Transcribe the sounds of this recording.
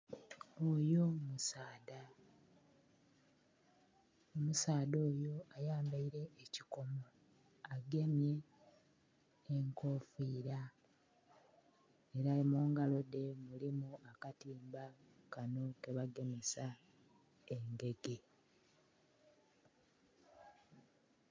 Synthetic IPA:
ojomusaːda | omusaːdoːjo̞ajaːmbaiɾe̞ːciko̞mo | aɡe̞mje̞ | ŋko̞ːfiːɾa | eɾaimoːŋɡalo̞de̞mulimuakatiːmba | kano̞ke̞βaɡe̞mesa | eŋɡe̞ɡe̞

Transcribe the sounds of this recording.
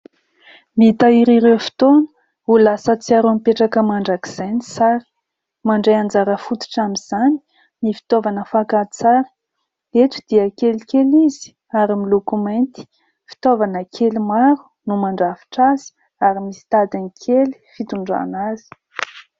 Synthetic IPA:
mit̪aiɾiɾewfi̥t̪onə̥ | ulasət͡siaɾuampeʈ͡ʂakəmaɳɖ͡ʐaki̥z̥enisaɾi̥ | maɳɖ͡ʐejand͡zaɾəfut̪u̥ʈ͡ʂamiz̥ani̥ | nifi̥t̪ovanəfakat͡saɾə̥ | et̪u̥d̪̥iəkelkelizi̥ | aɾimilokument̪i̥ | fi̥t̪ovanəkʰelimaɾu̥numaɳɖ͡ʐavi̥ʈ͡ʂazi̥ | aɾimisi̥t̪ad̪inikʰeli̥fit̪uɳɖ͡ʐa̰nazi̥

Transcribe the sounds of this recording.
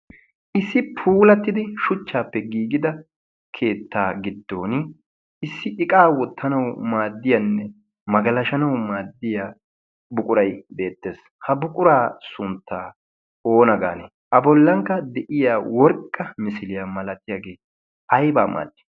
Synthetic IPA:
ʔɪsːɪpʰuːlɐt̪ːɪd̪ɪʃʊt͡ʃːaːpːɛɡiːɡɪd̪ɐ | kʰe̞ːt̪ːaːɡɪd̪ːo̞ːn | ɪsːɪʔɪkʼaːwɔt̪ːɐnɐwmaːd̪ːɪjɐnːɛ | mɐɡɐlɐʃɐnɐwmaːd̪ːɪja | bʊkʼʊɾɐjbe̞ːt̪ːe̞ːs | hɐbʊkʼʊɾaːsʊnt̪ːaː | o̞ːnɐɡa̰ːne | ʔɐbɔlːɐŋkːɐd̪ɛʔɪjaːwɔɾkʼːɐmɪsɪlɪjaːmɐlɐt̪ːɪjaɡe̞ː | ɐjbaːmʔa̰ːd̪ːɪ̥

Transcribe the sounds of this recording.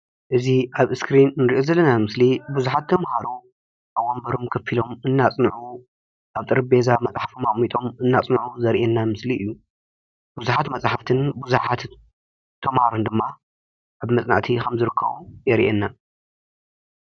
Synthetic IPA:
ʔɨziʔaβɨskɾinːɨɾiʔo̞zɐlːɐnamɨslibuzuħat̪ʰːɐmhaɾu | ʔaʔombɐɾo̞mkʰɐfilo̞mɨnːat͡sʼnʕu | ʔaβt̪ʼɨɾɨbezamɐt͡sʼħḁfumaχʼmit̪ʼomɨnːat͡sʼnʕuzɐɾʔɛnːamɨsliʔɨjːu | buzuħat̪mɐt͡sʼaħaft̪ʰɨnbuzuħat̪ | t̪ʰːɐmhaɾund̪ɨmːa | ʔaβmɐt͡sʼna̰ʕt̪ʰikʰɐmzɨɾɨkːɐ̰βojɛɾḭʔɛnːa

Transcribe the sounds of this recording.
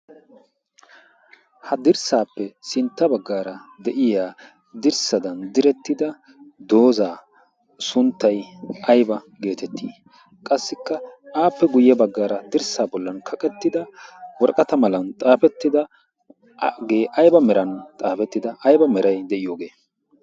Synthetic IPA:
hɐd̪ɪɾsaːpːɛsɪnt̪ːɐbɐɡːaːɾɐd̪ɛʔɪjaː | d̪ɪɾsɐd̪ɐnd̪ɪɾɛt̪ːɪd̪ɐ | d̪o̞ːzaː | sʊnt̪ːɐjʔɐjbɐ | ɡe̞ːt̪ɛt̪ʰːiː | kʼɐsːɪkːɐaːpːɛɡʊjːɐbɐɡːaːɾɐd̪ɪɾsaːbɔlːɐnkʰɐkʼɛt̪ːɪd̪ɐwɔɾkʼɐt̪ɐmɐlɐnt̪ʼaːpɛt̪ːɪd̪ɐ | ɡeːʔɐjbɐmɛɾɐnt̪ʼaːfɛt̪ːɪd̪ɐʔɐjbɐmɛɾɐjd̪ɛʔɪjo̞ːɡe̞ː

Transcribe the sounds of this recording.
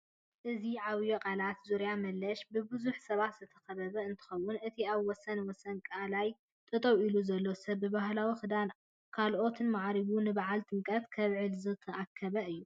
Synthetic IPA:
ʔɨziʕaβjokʼalat̪zuɾjamɐlːɐʃbɨbɨzuħsɐβat̪z̥ɨt̪ʰɐ̥xɐβɐβɐɨnt̪ʰɨ̥xɐwːʊnʔɨt̪ʰiaβwɔsɐnwɔsɐnkʼalaj | t̪ʼɨt̪ʼɐwiluzɐlːo̞sɐbːɨbaɦlawixɨd̪an | kʰalʔo̞t̪ʰɨnmaʕɾiβunɨbaʕalt̪ʼɨŋkʼɐt̪kʰɐβʕɨlzɨt̪ʰɐʔakʰːɐβɐɨjːu

